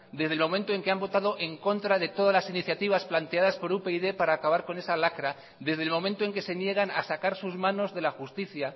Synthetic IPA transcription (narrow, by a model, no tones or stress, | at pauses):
d̪e̞zðelmõ̞mẽnt̪oe̞ŋke̞ambo̞t̪aðo̞ʔe̞ŋko̞nt̪ɾaðe̞t̪oð̞azlasiniθjat̪iβ̞asplant̪e̞aðaspo̞ɾupe̞iðepaɾaːkaβaɾko̞ne̞salakɾa | ðe̞zð̞elmo̞mẽnt̪oe̞ŋke̞se̞nje̞ɣ̞ana̰sakaɾsuzmãno̞zðe̞laxust̪iθja